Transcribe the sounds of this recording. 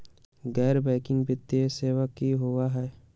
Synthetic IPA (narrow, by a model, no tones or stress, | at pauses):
ɡɛːɾbɛ̃ːkɪ̃ŋɡbɪt̪ːieseːʋakiɦʊaɦɛː